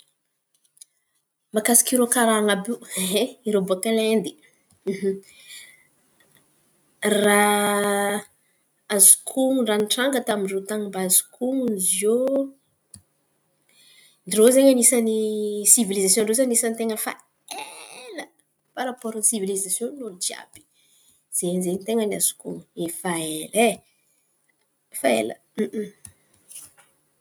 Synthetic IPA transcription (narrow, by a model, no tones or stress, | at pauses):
makasi̥kiɾokaɾaŋabuɦeiɾebuakalɛnd̪i̥ | ɦ | ra | azi̥kʰuŋuɳɖ͡ʐaniʈ͡ʂaŋɡət̪amiɖ͡ʐot̪aŋimbazu̥kʰuŋunzio | nirozeɲanisanisivilizasjõnɳɖ͡ʐozaɲnisanit̪eŋəfa̰ | elə | paɾapɔɾunisivilizasjonod͡ʒia̰bi̥ | z̥enzeɲit̪eŋəna̰z̥u̥kṵŋefaelɛ | faḛlə̰